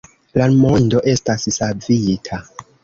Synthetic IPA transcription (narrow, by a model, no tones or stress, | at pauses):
lamo̞ndo̞ʔe̞stassavitʰa